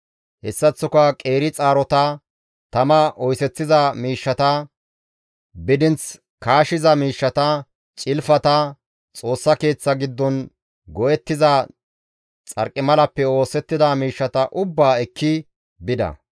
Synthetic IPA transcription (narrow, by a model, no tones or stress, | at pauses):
hɛsːɐt͡sːʊkɐkʼe̞ːɾɪt͡sʼaːɾɔt̪ɐ | t̪ɐmɐʔɔjsɛt͡sːɪzɐmiːʃːɐt̪ɐ | bɪd̪ɪnt͡s | kaːʃɪzɐmiːʃːɐt̪ɐ | t͡ʃʼɪlfɐt̪ɐ | t͡sʼo̞ːsːɐke̞ːt͡sːɐɡɪd̪ːɔn | ɡɔʔjɛt̪ːɪzɐ | t͡sʼɐ̰ɾkʼːɪmɐlɐpːɛo̞ːsɛt̪ːɪd̪ɐmiːʃːɐt̪ɐʔʊbːaːɛkʰːɪ | bɪd̪ɐ̰